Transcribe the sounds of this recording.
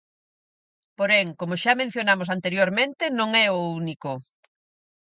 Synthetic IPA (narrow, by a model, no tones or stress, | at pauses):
poɾɛŋkomʊʃamẽn̟θjonamos̬ant̪eɾjoɾmẽnt̪ɪnõŋɛouniko